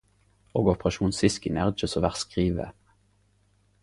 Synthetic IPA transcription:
oːɡɔpʁɑʃuːnsɪskɪnæʁd͡ʒəsɔʋæʁskʁiːʋə̰

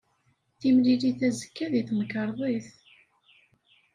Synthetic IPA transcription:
θimliliθæzə̥kːæðiθməkːəɾˤðˤiθ

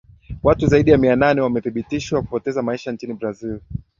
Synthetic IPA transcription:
watuzaiɗijamiananɛwamɛθiɓitiʃwaku̥pɔtɛzamaiʃant͡ʃinibɾazil

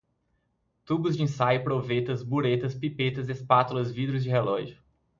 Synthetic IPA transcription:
t̪ubʊzd͡ʒɪĩsajʊpɾovet̪ɐzbuɾet̪ɐspipet̪ɐzespat̪ʊlɐzvid̪ɾʊzd͡ʒɪɦelɔʒʊ

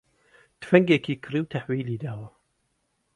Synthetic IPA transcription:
t̪fɐŋɡekiːkʰɾiːwt̪ʰaħwiːliːd̪aːwɐ

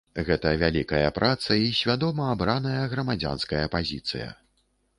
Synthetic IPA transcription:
ɣɛt̪ɐvʲalʲikɐjɐpɾʔat̪sɐisʲvʲad̪ɔmɐabɾanɐjɐɣɾɐmad͡zʲa̰nskɐjɐpazʲit̪sɨ̰jɐ̰

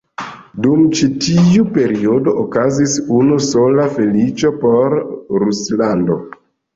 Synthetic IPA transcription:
dumt͡ʃitiupe̞ɾiodo̞ʔokazisunuso̞lafe̞lit͡ʃo̞po̞ɾɾuslando̞̰

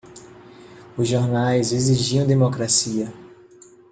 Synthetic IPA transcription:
ʊzʒoɾnajzeziʒiɐ̃w̃d̪emokɾasiɐ

